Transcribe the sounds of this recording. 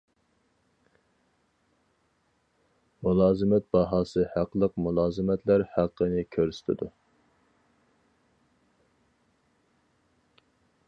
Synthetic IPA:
mulˠɑːzɨmɛt̪̚bɑɦɑːsɨhæqːəlˠəqmulˠɑːzɨmɛt̪læɾhæqʰːənɪkʲʰøɾsɪ̥t̪ʰɪ̰d̪u

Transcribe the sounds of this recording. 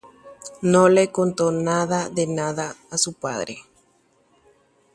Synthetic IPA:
nõlekont̪onaðaðenaðaːsupa̰ðɾḛ

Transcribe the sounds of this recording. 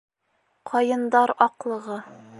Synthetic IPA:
qʰɒjɤ̆nd̪ɑɾɒqlˠɤ̆ʁɤ

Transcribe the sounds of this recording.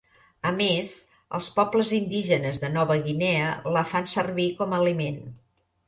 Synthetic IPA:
əmez | ə̰lˠspɔpləzind̪iʒənəzðənɔβəɣinɛələfansərβikɔməːlimen

